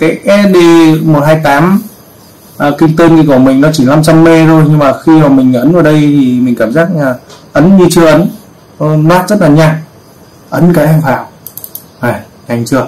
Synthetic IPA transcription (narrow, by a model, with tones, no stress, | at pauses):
kaː˨˦jʔɛ˦˧˥ɗi˧mo˨˩t̚haː˧jt̪aː˨˦m | ʔəː˨˩kï˧ŋ̟t̪əː˧nki˧˩ku˧˩əmï˨˩ŋ̟nɔ˨˦t͡ɕi˧˩la˧mt͡ɕa˧mːe˧zo˧jɲɨ˧ŋmaː˨˩xi˧nɔː˨˩mï˨˩ŋ̟ʔə˨˦nʔəː˨˩ɗə˧jt̪ʰi˨˩mï˨˩ŋ̟kaː˧˩mzaː˦˥k̚ɲaː˨˩ʔə˨˦nɲi˧t͡ɕɨ˧əʔə˨˦n˧ | lwaː˦˥t̚zə˦˥t̚laː˨˩ɲaː˨˩k̚ | ʔə˨˦nkaː˨˦jʔɛ˧mfaː˧˩w | ŋa˨˩ | ɲa˨˩jŋ̟t͡ɕɨ˧˩ə